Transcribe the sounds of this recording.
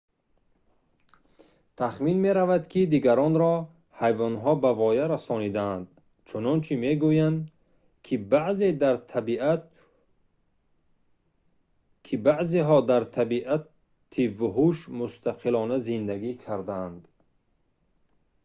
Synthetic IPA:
t̪ʰaχminmeɾavad̪kʰid̪iɡaɾɔnɾɔ | hajvɔnɦɔbavɔjaɾasɔnid̪and̪ | t͡ʃʰunɔnt͡ʃʰime̞ɡujand̪ | bze̞d̪aɾʰi | kʰibaʔzeɦɔd̪aɾt̪ʰabiʔa | t̪ʰivuɦuʃmust̪ʰaqʰilɔnazind̪æɡikʰaɾd̪and̪

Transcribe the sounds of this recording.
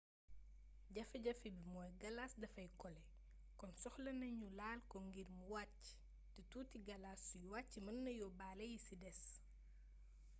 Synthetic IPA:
ɟɐfɛɟɐfibimɔːjɡɐlasdɐfɐjkɔlɛ | kɔnsɔxlɐnɐɲulaːlkɔŋɡirmuwac | tituːtiɡɐlasːujwacːimɐnːɐjɔbaːlɐjisidɛs

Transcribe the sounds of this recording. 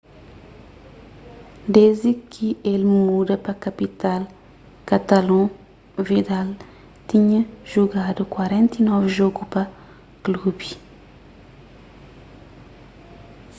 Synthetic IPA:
d̪ezikʰielmud̪ɐpɐkapit̪al | kat̪alɔ̃ | vid̪al | t̪iɲɐʒuɡad̪ukwaɾɛ̃nt̪inɔvʒoɡupɐ | klubi

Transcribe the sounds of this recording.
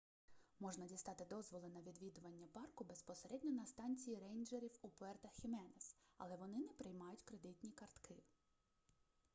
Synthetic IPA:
mɔʒnɐdʲist̪ɑt̪ɪd̪ɔzʋɔlˠɪnɐʋʲid̪ʋʲid̪ʊʋɐnʲːɐpɑrkʊbespɔseɾɛdʲnʲɔnɐst̪ɑnʲt͡sʲijiɾɛjnʲd͡ʒeɾʲiwupɔɛrt̪ɐxxʲimɛnɛsɐ̰lˠɛʋɔnɪnɛpɾɪjmɑjʊtʲkɾed̪ɪt̪ʲnʲikɐrt̪kɪ

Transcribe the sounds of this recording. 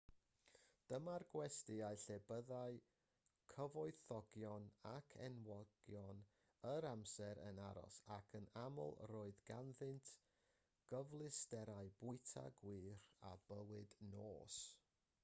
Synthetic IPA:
d̥əmarɡwɛstɪajɬebəðaɨ | kʰəvɔɨθɔɡjɔnakʰɛnwɔɡ̥jɔn | əɾamsɛɾə̰naɾɔ̰sakʰənamɔ̰lˠroːɨðɡanðɨntʰ | ɡ̥əvlˠɨstɛɾaɨb̥ʊɨtʰa̰ɡwɨːɾa̰b̥əwɨdnoːs

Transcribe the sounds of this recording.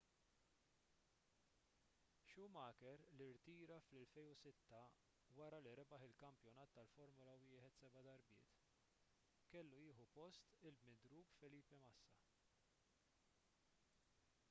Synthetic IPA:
ʃuːmɐːkɛɾlɪɾt̪iːɾɐflɛlfɛjnʊsɪt̪ːɐ | wɐɾɐliɾɛbɐħɪlkɐmpjɔnɐːt̪ːɐlfɔɾmʊlɐwɪːħɛt̪sɛbɐd̪ɐɾbɪ̰ːt̪ | kɛlːujɪːħupɔst̪ɪlbmɪd̪ɾuːkfɛliːpɛmɐsːɐ

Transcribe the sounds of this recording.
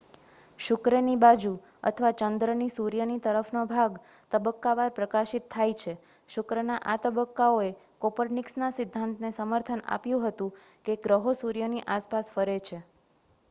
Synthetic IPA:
ʃʊkɾənibad͡ʒu | ə̰t̪ʰəʋat͡ʃənd̪ɾənisuɾjənit̪əɾəfnobʱaɡ | t̪əbəkːaʋaɾpɾəkaʃit̪ʰːajt͡ʃʰe | ʃʊkɾənaʔat̪əbəkːaoe | kopəɾniksnasɪd̪ʱːant̪nesəməɾt̪ʰəna̰pjũɦət̪ũkeɡɾəɦosuɾjəniʔaspasfəɾet͡ʃʰe

